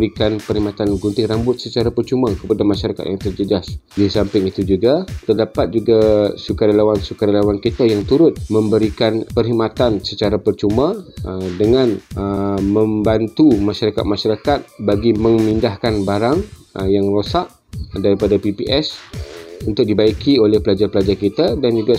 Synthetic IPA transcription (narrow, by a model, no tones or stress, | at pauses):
ɾikanpərhimat̪anɡunt̪ɪɾambʊt̪̚sət͡ʃaɾapərt͡ʃumakəpadamãʃaɾakat̪̚jaŋt̪ərd͡ʒəd͡ʒasdisampɪŋit̪ud͡ʒuɡat̪ərdapat̪̚d͡ʒuɡasukaɾalawansukaɾalawankit̪ajaŋt̪uɾʊt̪̚mə̃mbəɾikanpərɦimat̪ansət͡ʃaɾapərt͡ʃumãdəŋãnəmə̃mbant̪umaʃaɾaka̰t̪̚maʃaɾakat̪̚baɡiməŋmindahkanbaɾaŋ | jaŋrosaʔ | daɾipadapipiʔɛs | unt̪ʊk̚dibaikiolɛhpəlad͡ʒarpəlad͡ʒarkit̪adand͡ʒuɡa